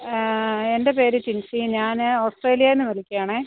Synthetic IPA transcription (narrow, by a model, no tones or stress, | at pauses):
e̞nde̞pe̞ːɾɨt͡ɕinsiɲaːnoːsʈre̞ːlijɐenːɨnɐlikʲːijaːɳeː